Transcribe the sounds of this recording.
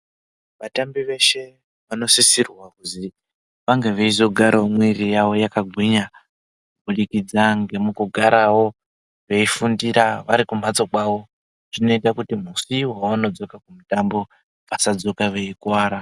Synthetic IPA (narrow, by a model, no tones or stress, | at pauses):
ʋatambiʋe̞ʃe̞ | ʋano̞sisirwakuzi | ʋaŋɡe̞ʋeizo̞ɡʱaɾaomwirijawo̞jakaɡʱwiɲa | ubuɗikid͡zaŋɡe̞mukuɡʱaɾawo̞ | ʋe̞ifundiɾaʋaɾikum̤at͡so̞kwawo̞ | ʐino̞itakutim̤usiwawano̞d͡zo̞kakumutambo̞ | ʋasad͡zo̞kaʋe̞ikwaːɾa